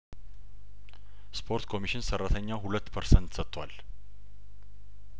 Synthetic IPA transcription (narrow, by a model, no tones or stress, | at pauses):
spʰo̞ɾt̪kʰo̞miʃɪnsərat̪ʰəɲːaɦulət̪ːpʰəɾsənt̪sət̪ʰːwa̰l